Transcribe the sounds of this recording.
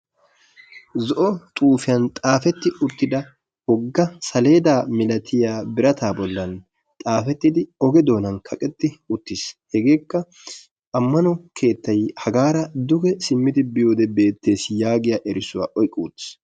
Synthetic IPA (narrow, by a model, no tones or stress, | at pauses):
zɔʔɔt̪ʼuːfɪjɐnt̪ʼaːfɛt̪ːɪʔʊt̪ːɪd̪ɐ | hɔɡːɐsɐle̞ːd̪aːmɪlɐt̪ʰɪjaːbɪɾɐt̪aːbɔlːɐn | t̪ʼaːfɛt̪ːɪd̪ɪɔɡɛd̪o̞ːnɐnkʰɐkʼɛt̪ːɪʊt̪ːɪshɛɡe̞ːkːɐ | ʔɐmːɐnɔkʰe̞ːt̪ːɐjhɐɡaːɾɐd̪ʊɡɛsɪmːɪd̪ɪbɪjo̞ːd̪ɛbe̞ːt̪ːe̞ːsjaːɡɪjaːʔɛɾɪsʊwa̰ːʔɔjkʼːuːt̪ːɪ̥s